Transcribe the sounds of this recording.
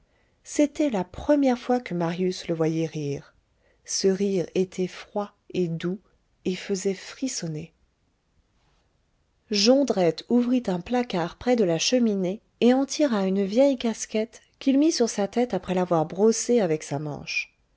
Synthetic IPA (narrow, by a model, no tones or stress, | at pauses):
set̪ɛlapχəmjɛʁfwakəmaʁjysləvwajɛʁiːʁ | səʁiʁet̪ʰɛfχwa | ed̪u | efəzɛfχisɔne | ʒɑ̃d̪ʁɛt̪uvʁit̪ɛ̃plakaʁpχɛd̪əlaʃəmineː | ɑ̃t̪ʰiʁaynvjɛjkaskʲɛt̪ | kʲilmisyʁsat̪ɛt̪apχɛlavwaʁbʁoseavɛksamɑ̰̃ʃ